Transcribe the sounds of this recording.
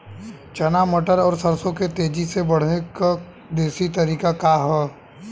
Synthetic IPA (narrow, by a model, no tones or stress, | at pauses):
t͡ʃɐnamɐʈəɾɔːɾsəɾsõket̪eːd͡ʒisebɐɽ̤neka | d̪eːsit̪ɐɾiːkakaɦɛː